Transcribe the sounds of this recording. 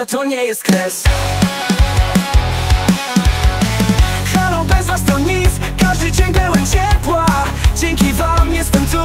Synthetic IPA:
t̪ɔɲɛjɛst̪̚klɛs | xalɔ̃wbɛzast̪ɔɲif | kaʒd̪ɨt͡ɕɛɲbɛwɛnt͡ɕɛɾpwa | d͡ʑɛŋkʲivamjɛst̪ɛmt̪u

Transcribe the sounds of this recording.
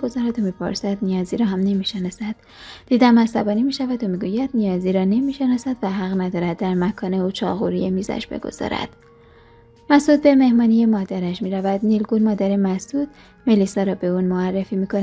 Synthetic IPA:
ɡozɒːɾæd̪omiːpʰo̰ɾsæd̪̥nijɒːziːɾɒːɦæmne̞miːʃenɒsæd̪̥ | d̪̥iːd̪æmæsæbɒːnimiːʃævæd̪omiɡujæd̪̥nijɒːziːɾɒːne̞miːʃe̞nɒːsæd̪væɦæɣnæd̪ɒːɾæd̪̚ːæɾmækʰɒːne̞ut͡ʃʰɒ̰ːɣṵɾijemiːzæ̰ʃbe̞̰ɡo̞̰z̥ɒ̰ɾæ̰d̪̥ | mæsd̪uːd̪̚be̞me̞hmɒːnijemɒːd̪æɾæʃmiːɾævæd̪̥niːlɡuːnmɒːd̪æɾemæsd̪uːd̪ | melisɒːɾɒːbe̞uːnmoærːefiːmikʰonæ

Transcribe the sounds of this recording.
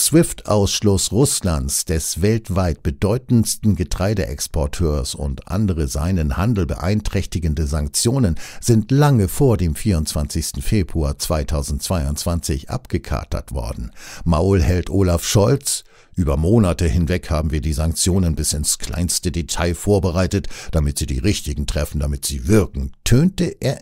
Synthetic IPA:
sv̥ɪftʔaʊsʃlʊsʁʊslansd̥ɛsvɛltv̥aɪt̚b̥ədɔʏtn̩stn̩ɡətʁ̥aɪdəʔɛ̰kspʰɔɐtʰøːɐsʊ̰ntʔa̰ndəʁəza̰ɪnənhandl̩bə̰ʔaɪntʁ̥ɛçtɪɡn̩dəzaŋk̚t͡sjoːnənz̥ɪntlaŋəfoːɐdeːmfiːɐʊntt͡sv̥ant͡sɪçstn̩feːbʁuaːt͡sv̥aɪtʰaʊzn̩tt͡sv̥aɪʊntt͡sv̥ant͡sɪçʔa̰pɡ̥əkʰa̰ɐtʰɐ̰tv̥ɔ̰ɐdn̩maʊlhɛltʔoːlafʃɔlt͡s | ʔyːbɐmoːnatəhɪnvɛkhaːbm̩viːɐdiːzaŋk̚t͡sjoːnənbɪsɪnskʰl̥a̰ɪnstədetʰaɪfoːɐbəʁaɪtətd̥amɪtz̥iːdḭːʁɪçtɪɡŋ̩tʁ̥ɛfn̩damɪtz̥iːvɪɐkŋ̩tʰøːntəʔeːɐ

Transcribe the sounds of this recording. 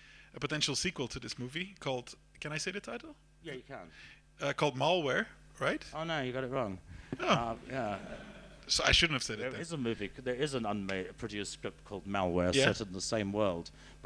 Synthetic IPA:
ʔəpətʰɛ̃nʃl̩ˠsikwəlˠtʰəðɪsmuːvikʰɔlˠd̥ | kʰɨ̃ñaɪseɪðɨtʰaɪɾl̩ˠ | jæjəkʰə̰̃n | ʌkʰɔːlˠd̚malˠwɛɹɹaɪtoʊnoʊjɨɡɑɾɨt̚ɹɔ̃ŋoʊʌjæ | soʊaɪʃʊdⁿn̩təv̥sɛɾəðɪzəmʉviðə˞ɪzə̃nʌ̃nmeɪdpʰɹ̥ɨɾijʉskɹɪp̚t̚kʰɔlˠd̚malˠwɛɹjsæɛɾə̃n̩ðəsẽɪ̃mwɜ˞lˠd̥ | b̥

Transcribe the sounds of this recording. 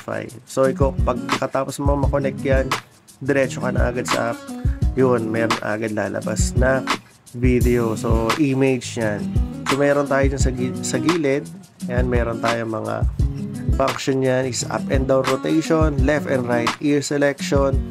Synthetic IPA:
fa̰jsoɪkopɐɡ̚nɐkɐt̪aːposnɐmɐŋamɐkonɛk̚t̪jan | d̪ɛɾɛːt͡ʃokɐnɐ̰ʔa̰ɡad̪sɐ̰ʔap̚jonmɛːɾonʔa̰ːɡad̪̚la̰ːlɐ̰ba̰snɐ | vid̪ɛosoʔimejd͡ʒjansomɛːɾo̞nt̪aːjod͡ʒʊnsɐɡisɐɡiːlɛd̪̚ | janmɛːɾont̪aːjoŋmɐŋa̰ | fɐŋkʃonjanʔɪsʔa̰pʔɛnd̪awnɾot̪ejʃonlɛft̪ɛnd̪ɾajt̪iɹsɛlɛkʃon

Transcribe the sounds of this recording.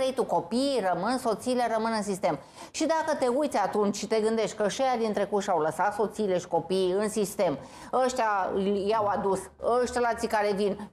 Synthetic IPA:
ɾejt̪uko̞pirəmɨnso̞t̪siːleɾəmɨnɨnsist̪e̞m | ʃid̪akət̪e̞ujt̪sʲat̪unt͡ʃʃit̪e̞ɡɨnd̪e̞ʃt̪ʲkəʃejad̪int̪ɾe̞kuʃawləsat̪so̞t̪siːle̞ʃi̥ko̞piːɨnsist̪e̞m | əʃt̪ʲajawad̪us | əʃt̪elat̪sikaɾe̞vin

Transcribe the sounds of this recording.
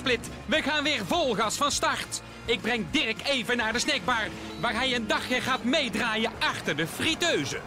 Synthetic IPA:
plɪt | ʋəɣaːnʋɪːɹvɔlˠɣəɑlˠsfɑnstɑɹt | ɪɡ̚brɛŋdɪrək̚tejvənaːɹdəsnɛɡ̚baːr | ʋaːɹɦɛjəndɑχɪːɹɣaːtmejdraːjəɑxtəɹdəfritøɥzə̰

